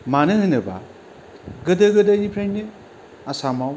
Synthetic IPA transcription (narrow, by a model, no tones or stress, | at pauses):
manɯɦɯnɯba̰ | ɡɯdɯɡɯdajipʰɾennɯ | asamaw